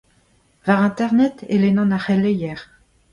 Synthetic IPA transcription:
vaʁɛ̃t̪ɛʁnɛt̪elenɑ̃naχelejɛʁ

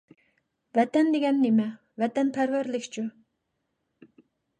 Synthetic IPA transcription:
vɛt̪ɛnd̪eɡʲɛnːemɛ | vɛt̪ɛnpʰæɾvæɾlɪkʲt͡ʃʰu

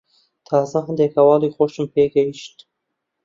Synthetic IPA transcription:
t̪ʰɑːzɐɦɐnd̪ekhɐwɑːliːxoʃɨmpʰeːɡɐjiʃt̪

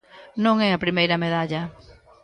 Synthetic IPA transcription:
nõŋɛɐpɾimejɾɐmeðaʎɐ

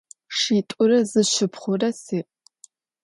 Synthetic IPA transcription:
ʂiːtʼʊrɐzɨɕɪpχʷʊrɐsiːʔ

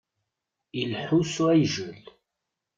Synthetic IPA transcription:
ilħusuæjʒəl

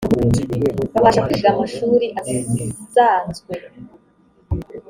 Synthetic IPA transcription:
aβaːʃakuiʃiɾamaʃuːɾiʔaziizaːnzɡwe̞

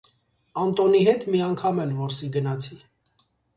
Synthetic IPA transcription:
ɑnt̪ɔniɦɛt̪miɑŋkʰɑmɛlvɔɾsiɡənɑt͡sʰi

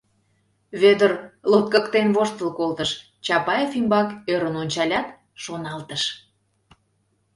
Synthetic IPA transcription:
βed̪ərlot̪̚kəkt̪enβoʃt̪əlkolt̪əʃ | t͡ɕɑpɑjefimbɑkøɾənonʲt͡ɕɑlʲɑt̪ | ʃonɑlt̪əʃ

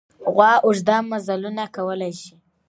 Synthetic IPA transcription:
ɣwɑʔʊʒd̪amːazalunakawəlajʃi̥

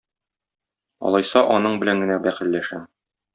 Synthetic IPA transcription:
ɒ̰lˠɒjsɑʔɒnɤɴbɘ̆læŋɡɘ̆næbæχɘ̆lːæʃæm

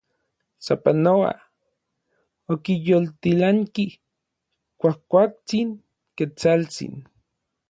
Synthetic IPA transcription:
sapanoa̰ | okijolt̪ilaŋki | kʷahkʷak̚t͡siŋ | ket͡salt͡sḭn

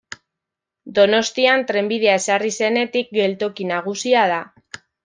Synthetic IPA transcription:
d̪o̞no̞st̪iant̪ɾe̞mbið̞e̞ae̞sarise̞ne̞t̪ik̚ɡe̞lt̪o̞kinaɣ̞usiaða

